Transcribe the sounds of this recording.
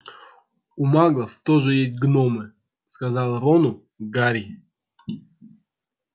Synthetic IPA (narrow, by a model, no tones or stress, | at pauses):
umaɡlˠəft̪oʐɨjesʲtʲɡnomɨ | skazɑlˠɾonʊ | ɡaɾʲi